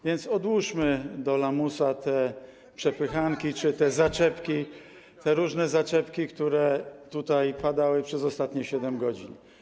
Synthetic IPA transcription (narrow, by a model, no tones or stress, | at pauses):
vʲjɛnt̪sɔd̪wuʂmɘd̪ɔlamusat̪ɛ | pʂɛpɘxaŋkʲit͡ʂɘt̪ɛzat͡ʂɛpkʲi | t̪ɛɾuʐnɛzat͡ʂɛpkʲikt̪uɾɛt̪ut̪ajpad̪awɘpʂɛzɔst̪at̪ɲɛɕɛd̪ɛmɡɔd͡ʑḭn